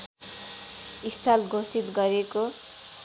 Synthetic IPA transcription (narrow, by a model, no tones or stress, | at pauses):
ist̪ʰalɡʱosit̪ɡʌɾeko